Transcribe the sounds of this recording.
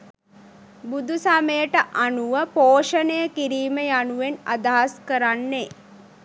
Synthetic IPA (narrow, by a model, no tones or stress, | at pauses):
bud̪ʱusaməjəʈəʔanuʋəpoːʃənəjəkiɾiːməjanuʋena̰d̪aɦaskəɾanːe